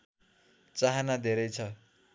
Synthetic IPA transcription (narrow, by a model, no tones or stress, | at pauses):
t͡saɦanad̪ʱeɾʌjt͡sʰʌ